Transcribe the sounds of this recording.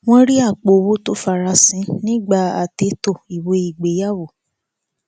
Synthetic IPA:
w̃ɔ̃˦ɾi˦a˦˨k͡po˨wo˦to˦fa˧˨ɾa˧sĩ˨˦nĩ˦ɡ͡ba˦˨a̰˨te˨˦to˦˨i˨wo˧i˨ɡ͡be˨˦ja˦˨wo˨

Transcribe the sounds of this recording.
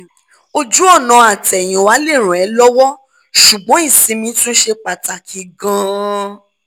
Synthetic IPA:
o˧d͡ʒu˦ɔ˦˨nã˧a˨tɛ˨j̃ĩ˨wa˨˦le˦˨ɾ̃ũ˨ɛ˨˦lɔ˦wɔ˦ | ʃu˨ɡ͡bɔ̃˨˦i˦˨sĩ˧mĩ˧to˦ʃe˧k͡pa˨ta˨kʰi˧ɡã˧

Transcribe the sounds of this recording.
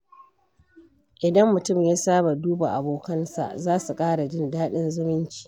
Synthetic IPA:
ʔɪ˨dɐ˦mːʊ˨tʊ˦˨mjaː˦saː˦ba˨duː˦ba˨ʔa˨boː˨kɐ˦nsa̰˨ʔzaː˦su˨kʼaː˦ɽa˨d͡ʒɪ˦ndaː˦ɗɪ˦nzʊ˦mɪ˦nt͡ʃi̥ː˨

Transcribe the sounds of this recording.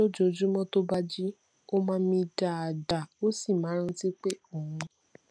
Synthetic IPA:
o˦d͡ʒo˦˧˨d͡ʒu˦mɔ̃˦to˦ba˦d͡ʒi˦ | o˦mãː˧˦mĩ˧da˨a˨da˨o˦si˦˨mãː˨˦ɾ̃ã˦ti˦k͡pe˦o˦˨hũ˧

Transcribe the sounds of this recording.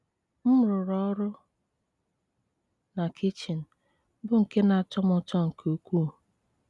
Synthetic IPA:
m̩˦ɾʊ˨ɾɔ˦ɾʊ˦ | na˨kʰɪ˦t͡ʃi˨n̩˨ | bʊ˦ŋ̩˨ke˦na˨a˨tɔ˦mɔ˦t͡ʃɔ˦ŋ̩˨kʰo˨kʷu˦˨

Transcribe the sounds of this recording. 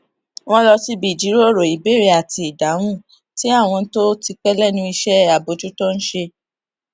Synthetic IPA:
w̃ɔ̃˦lɔ˧si˦bi˨d͡ʒi˨˦ɾo˦˨ɾo˨i˨be˦˨ɾe˦a˨ti˧i˨da˨˦w̃ũ˦˨ | ti˨˦a˦˨w̃ɔ̃˧n̩˦to˦ti˧k͡pɛ˦lɛ˦˨nũ˧i˧ʃɛ˦a˨bo˨˦d͡ʒu˦tɔ˦n̩˦ʃe˧

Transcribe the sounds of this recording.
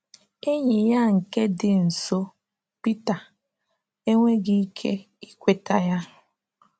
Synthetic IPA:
e˦ɲe˨ja˦ŋ̩˨ke˦dɪ˨n̩˨so˦ | pi˦ta˨ | e˦ŋʷe˦ɡi˦i˦kʰe˦ | i˦kʷe˦ta˦ja˦

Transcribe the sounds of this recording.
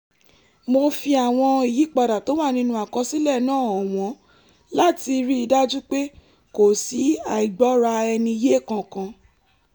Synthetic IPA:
mo˧fi˧a˨w̃ɔ̃˧i˨ji˨˦k͡pa˧da˨to˨˦wa˦˨nĩ˧˦nũ˧˦a˨kɔ̃˧si˦lɛ˦˨nãː˦˨ɔ˨w̃ɔ̃˨˦ | la˦˨ti˧ɾi˦i˧da˦d͡ʒu˦k͡pe˦ | ko˨si˨˦a˨i˨ɡ͡bɔ˨˦ɾa˧ɛ˧nĩ˧je˦˨kã˧kã˧

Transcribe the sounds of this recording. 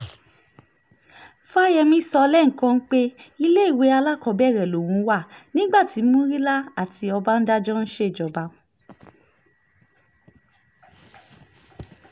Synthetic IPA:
fa˦jɛ˧mĩ˧˦sɔ˧lɛ˦ŋ̩˨kã˧n̩˦k͡pe˦i˧le˦i˦˨we˨˦a˧la˦˨kɔ˧˦bɛ˦˨ɾɛ˨lo˨wũ˨˦wa˦˨nĩ˦ɡ͡ba˦˨ti˨˦mũ˦ɾi˦la˦a˦˨tʰi˨˧ɔ˧ba˦n̩˦da˦d͡ʒɔ˦n̩˦ʃe˦˨d͡ʒɔ˨ba˧˦

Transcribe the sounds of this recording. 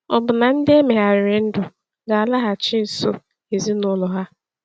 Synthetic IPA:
ɔ˨bʊ˨na˨n̩˦dɪ˦e˦me˨ɦa˨ɾe˨n̩˦dʊ˨ | ɡa˨a˨la˦ɦa˨t͡ʃɪ˦n̩˨so˦ | e˨zi˦nʊ˦lɔ˨ɦa˦

